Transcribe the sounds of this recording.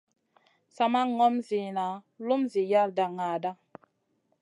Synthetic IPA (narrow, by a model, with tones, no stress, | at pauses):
sa˨ma˦ŋɔ˦mzi˨na˨ | lu˦mzi˨ja˦˨lda˨ŋa˨da˦